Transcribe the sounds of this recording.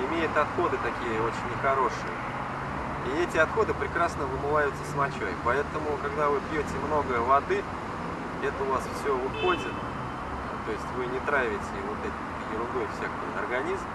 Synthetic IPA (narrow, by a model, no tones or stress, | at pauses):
ɪmʲejɪt̪ɐt̪xo̞d̪ɨt̪ɐkʲijəo̞t͡ɕɪnʲːɪxɐɾo̞ʂɨ̰jə̰ | iɛtʲɪɐt̪xo̞d̪ɨpɾʲɪkɾasnəvɨmɨlˠajʊt̪səsmɐt͡ɕo̰jpɐɛt̪əmʊkɐɡd̪avɨpʲjotʲɪmno̞ɡəvɐd̪ɨ | ɛt̪əʊvasfsʲɵvɨxo̞dʲɪt̪ | t̪o̞ɪsʲtʲvɨnʲɪt̪ɾavʲɪtʲɪɪvot̪ɛt̪ | jɪɾʊd̪o̞jfsʲakəjɐ̰rɡɐnʲizm